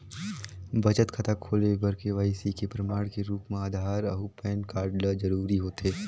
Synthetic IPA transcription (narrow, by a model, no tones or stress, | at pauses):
bɐt͡ʃət̪kʰɐt̪ʰakʰoːlebɐɾkeʋaːisikepɾɐmaːɽ̃keɾuːpmẽaːd̪ʱaːɾɐɦupɛːnkaːɾɖləd͡ʒɐɾuːɾiɦoːt̪eː